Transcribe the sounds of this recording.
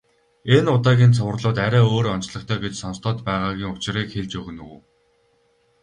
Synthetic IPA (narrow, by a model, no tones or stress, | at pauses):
enʊt̪aːɣʲiːnt͡sʰʊwrɮʊːt̪æɾʲæːoːɾɔnt͡ɕɮə̆kt̪ʰœːɡet͡ɕsɔnst̪ɔːt̪pæːʁaːɣʲiːŋʊt͡ɕɪ̆riːkxeɮt͡ɕɵɣɘ̆nṵː